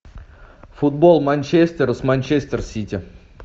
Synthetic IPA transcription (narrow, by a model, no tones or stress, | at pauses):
fʊd̪bolˠmanʲt͡ɕesʲt̪ʲɪɾəsmanʲt͡ɕesʲt̪ʲɪrsʲitʲɪ